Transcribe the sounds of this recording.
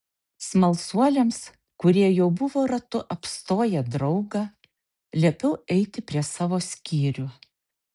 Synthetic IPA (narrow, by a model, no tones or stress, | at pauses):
smɐlˠsuɔlʲeːms | kʊɾʲiɛjɛʊbʊʋoːɾɐt̪ʊʔɐpst̪oːjɛd̪ɾɒʊɡɑ | lʲiɛpʲɛʊɛɪt̪ʲɪpʲɾʲiɛsɑːʋoːsʲkʲiːɾʲʊ